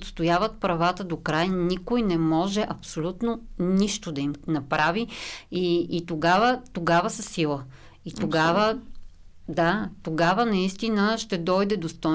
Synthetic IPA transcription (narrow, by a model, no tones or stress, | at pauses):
t̪st̪ojavət̪̚pɾɐvat̪əd̪okɾajnikojnɛmɔʒɛʔɐpsolʲut̪noniʃt̪od̪ɐimnɐpɾaviiːt̪oɡavət̪oɡavəsəsilˠə | it̪oɡavə | d̪at̪oɡavənɐist̪inəʃt̪ɛd̪ɔjd̪ɛd̪ost̪ɔ